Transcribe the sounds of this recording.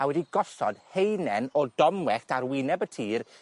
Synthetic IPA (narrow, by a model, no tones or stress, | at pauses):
awɛdiɡɔsɔ̰d̥̚hejnɛnɔdɔmwɛxtʰaɾwɪnɛbətʰiːr